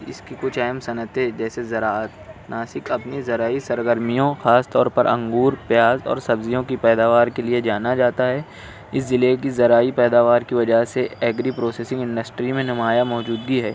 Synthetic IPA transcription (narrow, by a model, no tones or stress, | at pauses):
ɪ̰skikʊt͡ʃʰɛːmsɐnət̪ed͡ʒɛːsezɐɾaːət̪naːsɪkɐpnizɐɾaːisɐɾɡəɾmijõxaːst̪ɔːɾpɐɾɐ̰̃ŋɡuːɾpjaːzɔ̰ːɾsɐbzijõkipɛːd̪aːʋaːɾkelied͡ʒaːnad͡ʒaːt̪aɦɛː | ɪszɪlekizɐɾaːipɛːd̪aːʋaːɾkiʋɐd͡ʒaɦseɛːɡɾipɾoːseːsɪ̃ŋɡɪ̃ɳɖəsʈɾimẽnɐmaːjamɔːd͡ʒuːd̪ɡiɦɛː